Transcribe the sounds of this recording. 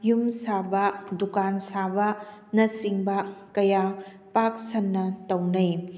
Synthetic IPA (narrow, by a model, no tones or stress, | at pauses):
jumsabɐdukansabɐnɐsiŋbɐkɐja | pak̚sɐnːɐtɐwnɐj